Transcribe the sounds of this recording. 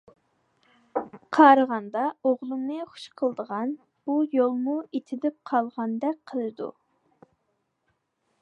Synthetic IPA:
qʰɑɾəʁɑnd̪ɑoʁlˠɨmnɨχʊ̥ʃqʰəlˠd̪əʁɑn | b̥ujolˠmuet̪ʰɪd̪ɪp̚qʰɑlˠʁɑnd̪ɛk̚ʲqʰəlˠɨd̪ṵ

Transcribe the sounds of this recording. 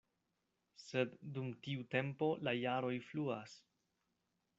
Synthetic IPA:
se̞dːumtiute̞mpo̞lajaɾo̞jfluas

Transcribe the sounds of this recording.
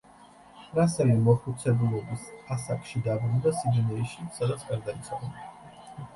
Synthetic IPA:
ɾasɛlimɔχut̪sʰɛbulˠɔbisasakʼʃid̪abɾund̪asid̪ɛnɛiʃisad̪at̪sʰkʼaɾd̪ait̪sʰʼɔba

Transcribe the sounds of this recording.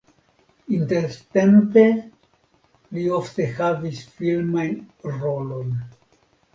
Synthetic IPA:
inteɾtempe̞ | liofte̞havisfilmajnɾo̞lo̞j

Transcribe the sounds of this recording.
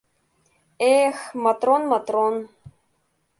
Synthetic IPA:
exmɐt̪ronmat̪ron

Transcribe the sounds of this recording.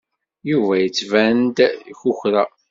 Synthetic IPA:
juvæjət͡sːvænd̪çuçɾa

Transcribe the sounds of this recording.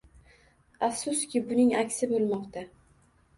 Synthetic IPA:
afsʊskʲɪbʊnɪŋakʲsɪbolˠmɒqt̪ʰa

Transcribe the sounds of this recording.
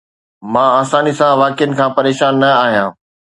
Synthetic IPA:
mãːaːsaːnisãʋaːkɪjənɪ̆kʰãːpɐɾeːʃaːnːɐaːɦijãː

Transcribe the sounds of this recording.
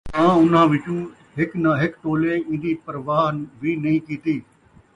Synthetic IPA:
mãːʊn̤ãːʋɪt͡ʃũː | ɦɪknaɦɪkʈ̪oːleːɪ̃ːnd̪iːpəɾʋaːɦnʋʱiːnɐĩːkiːt̪iː

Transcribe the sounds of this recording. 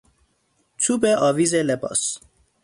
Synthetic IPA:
t͡ʃʰubeʔɒːviːzelebɒ̰ːs

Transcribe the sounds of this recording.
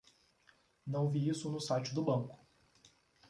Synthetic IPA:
nɐ̃w̃viisʊnʊsajt͡ʃʊd̪ʊbɐ̃ŋkʊ̥

